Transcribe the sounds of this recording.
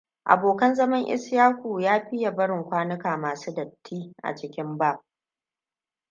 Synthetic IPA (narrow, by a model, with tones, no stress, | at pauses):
ʔa̰˨boː˨kɐ˦nzɐ˦mɐ˦ŋʔɪ̰˦sjaː˦kʷuː˨jaː˦ɸɪ˦ja˨bɐ˦ɽɪ˨ŋkʷaː˦nɪ˦kaː˨maː˨suː˦dɐ˨tʰːiː˦ʔa̰˨t͡ʃɪ˦kʲɪ˦mbaː˦˨p̚